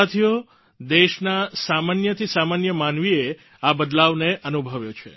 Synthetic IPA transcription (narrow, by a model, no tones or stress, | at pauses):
at̪ʰijo | d̪eʃnasamanjət̪ʰisamanjəmanʋie | abəd̪laʋneʔənubʱəʋjot͡ʃʰḛ